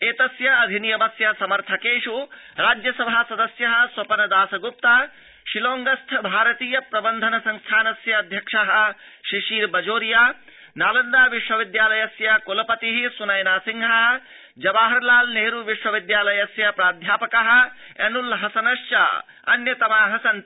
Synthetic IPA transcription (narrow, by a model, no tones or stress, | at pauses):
eːt̪ɐsjɐɐd̪ʱinijɐmɐsjɐsɐmɐɾt̪ʰɐkeːʂu | ɾaːd͡ʒjɐsɐbʱasɐd̪ɐsjɐɦɐ̆swɐpɐnɐd̪aːsɐɡup̚t̪aː | ʃiloːŋɡɐst̪ʰbʱaːɾɐt̪iːjɐpɾɐbɐnd̪ʱɐnɐsɐŋst̪ʰaːnɐsjɐːd̪ʱjɐkʂɐɦɐ̆ | ʃiʃiːɾbɐd͡ʒoːɾijaː | naːlɐnd̪aːʋiʃwɐʋid̪jaːlɐjɐsjɐkolɐpɐt̪iɦisunɐjnaːsiŋɡʱɐɦɐ | d͡ʒɐbaːɦɐɾlaːlneːɾuʋiʃwɐʋid̪jaːlɐjɐsjɐpɾaːd̪ʱjaːpɐkɐɦɐ̆ | ɛ̰nulɦɐsɐnɐʃt͡ʃa̰ | ɐ̰njɐt̪ɐmaːɦɐsɐn